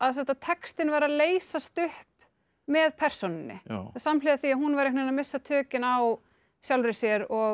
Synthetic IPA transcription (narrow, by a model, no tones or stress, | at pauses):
aðsɛht̪at̪ʰɛkst̪ɪnvaɾaðleːjsast̪ʏhp | mɛðpʰɛr̥sonɪnːɪ̰samlɪðaθiahɦunvaɾɛknenamɪsːat̪ʰœːcɪnaw | sjawlɾɪsjɛɾɔ